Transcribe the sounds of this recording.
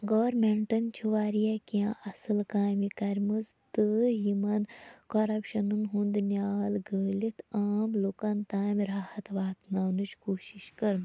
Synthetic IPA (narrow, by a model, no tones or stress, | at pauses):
ɡoʋɐɾmeɳʈɐnt͡ʃʰuʋaːɾijakiãʔɐsɨlkaːjmikɐɾʲmɨzt̪ɨjimɐnkɐɾɐpʃɐnɨnɦũnd̪nʲjaːlɡəːlit̪aːmloːkant̪aːmʲɾaːhɐt̪ʋaːt̪naːwnɨt͡ʃʰkoːʃiʃkɐɾn